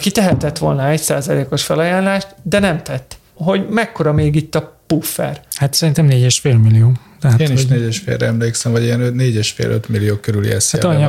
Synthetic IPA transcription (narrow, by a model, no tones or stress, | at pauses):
kit̪ɛɦɛt̪ɛt̪ʋo̞̰lnɒɛcsaːzɒleːko̞ʃfɛlɒjaːnlaːʃt̪d̪ɛnɛmt̪ɛt̪ː | ɦo̞ɟmɛkːo̞ɾɒmeːɡit̪ːɒpufːɛ̰rhat̪sɛɾint̪ɛmneːɟɛʃfeːlmilːijoː | t̪ɛɦateːnioʃneːɟɛʃfḛːlrɾɛ̰ɛmleːksɛmvɒɟiɛnøneːɟɛʃfḛːlø̰t̪milːioːkøɾylḭɛ̰sat̪ɒɲː